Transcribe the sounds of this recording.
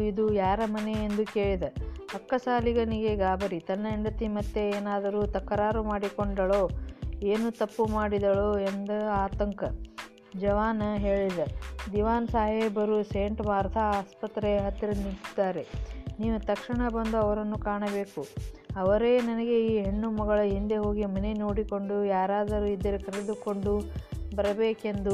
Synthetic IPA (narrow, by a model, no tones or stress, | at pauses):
id̪ujaːɾɐmɐneend̪uke̞ːɭid̪ɐɐkːɐsaːliɡɐniɡeɡaːbɐɾit̪ɐnːɐeɳɖɐt̪ːimɐt̪ːe̞eːnaːd̪ɐɾut̪ɐkːɐɾaːɾumaːɽikoɳɖɐɭoːeːnut̪ɐpːumaːɽid̪ɐɭoend̪ɐaːt̪ɐŋkɐ | d͡ʒɐʋaːnɐɦe̞ːɭid̪ɐd̪iʋaːnsaːɦebɐɾuseːɳʈmaːɾt̪ʰɐaːspɐt̪ɾeɦɐt̪ːɾɐnit̪id̪ːaːɾe̞niːʋut̪ɐkʂiɳɐbɐnd̪uɐʋɐɾɐnːukaːɳɐbe̞ːkuɐʋɐɾeːnɐnɐɡe̞iːɦeɳːumɐɡɐɭɐɦind̪eɦo̞ːɡimɐneno̞ːɽiko̞ɳɖujaːɾaːd̪ɐɾuid̪ːɐɾekɐɾed̪ukoɳɖubɐɾɐbeːke̞nd̪u